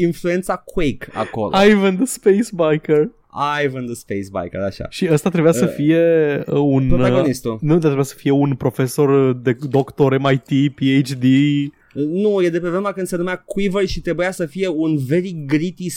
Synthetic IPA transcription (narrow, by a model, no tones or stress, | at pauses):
influe̞nt̪sakwejka̰ko̞̰loajvənd̪əspejsbajkər | ajvənd̪əspejsba̰jkə̰ɾa̰ʃa̰ʃiəst̪at̪ɾebujasəfije̞əunoaɡonist̪unud̪at̪ɾebuasə̥fije̞unpɾo̞fe̞so̞rd̪ed̪o̞kt̪o̞ɾemajt̪ipiejt͡ʃd̪i | nuje̞d̪e̞p̬evɾemakɨnd̪senumeakwivərʃit̪ɾe̞bujasəfije̞unve̞ɾiɡɾit̪is